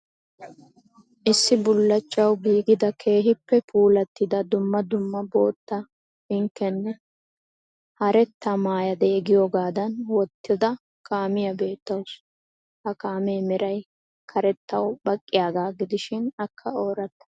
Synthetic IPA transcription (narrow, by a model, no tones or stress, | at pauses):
ʔɪsːɪbʊlːɐt͡ʃʼːɐwbiːɡɪd̪ɐkʰe̞ːɦɪpːɛpʰuːlɐt̪ːɪd̪ɐd̪ʊmːɐd̪ʊmːɐbo̞ːt̪ːɐ | hɪŋkːɛnːɛ | hɐɾɛt̪ːɐmaːjɐd̪ɛɛɡɪjɔɡaːd̪ɐnwɔt̪ːɪd̪ɐ | kʰaːmɪjɐbe̞ːt̪ːɐws | hɐkaːmeːmɛɾɐj | kʰɐɾɛt̪ːɐwbɐkʼːɪjaːɡaːɡɪd̪ɪʃɪnɐkʰːɐoːɾɐt̪ːɐ̥